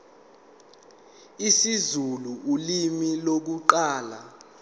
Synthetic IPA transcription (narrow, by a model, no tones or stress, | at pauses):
isizuluʔulimilok̬uǃaːla̰